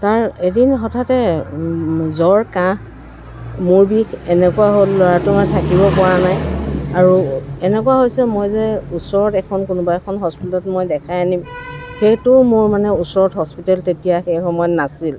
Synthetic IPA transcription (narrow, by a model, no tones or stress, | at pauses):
taɹedinɦɔtʰatɛ | zɔɹkã | mʊɹbikʰɛnɛkuaɦolːɔɹatʊmatʰakibɔpɔɹanajaɹuɛnɛkuwaɦojsɛmojzɛusɔɹɔtɛkʰɔnkʊnʊbaɛkʰɔnɦɔspitɛlɔtmojdɛkʰajanimxejtʊmʊɹmanɛusɔɹɔtɦɔspitɛltetijaxejxɔmɔjɔtnasil